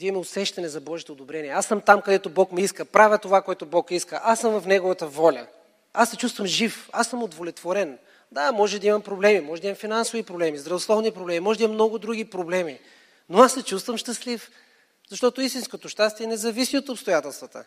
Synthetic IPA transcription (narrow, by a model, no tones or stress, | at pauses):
d̪ɐimmɛosɛʃt̪ɐnɛzɐbɔʒit̪oːd̪obɾɛniɛasːəmt̪amkɐd̪ɛt̪obɔkmɛiskəpɾavʲət̪ovakoɛt̪obɔkiskəʔasəmvɐfnɛɡovɐt̪əvɔlʲə̰ | asːɛt͡ʃust̪vəmʒifasːəmod̪volɛt̪voɾɛn | d̪amɔʒɛd̪ɐimɐmpɾoblɛmimɔʒɛd̪imɐmfinansovipɾoblɛmizd̪ɾɐvoslˠɔvnipɾoblɛmimɔʒɛd̪imɐmnɔɡʊd̪ɾuɡ̟ipɾoblɛmi | noasːɛt͡ʃust̪vəmʃt̪ɐslif | zɐʃt̪ɔt̪oist̪inskot̪oʃt̪ast̪iɛnɛzɐvisiot̪opst̪ojat̪ɛlˠst̪vət̪ə̰